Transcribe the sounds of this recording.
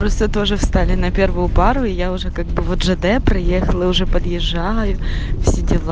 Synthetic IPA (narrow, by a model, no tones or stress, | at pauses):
pɾost̪ət̪oʐɨfst̪alʲɪnɐpʲervʊjʊpɑɾʊɪjaʊʐɛkaɡ̚bɨvod̪ʐɛd̪ɛpɾɪjexɐlˠɨʊʐɛpɐd̪jɪʐːajʊfsʲɪdʲɪlˠ